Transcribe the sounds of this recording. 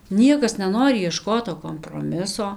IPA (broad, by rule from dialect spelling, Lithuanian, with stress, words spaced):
ˈnʲiɛkɐs nʲɛˈnoːrʲɪ iɛˈʃkoːt toː koːmproːˈmʲɪsoː